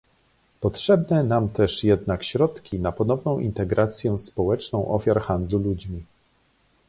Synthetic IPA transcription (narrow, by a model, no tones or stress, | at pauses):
pɔtʂɛbnɛnamt̪ɛʂjɛd̪nakɕɾɔt̪kʲinapɔnɔvnɔ̃w̃ʔḭnt̪ɛɡɾʔat̪sʲjɛspɔwɛt͡ʂnɔ̃w̃ʔɔfʲjaɾxand̪lulud͡ʑmʲi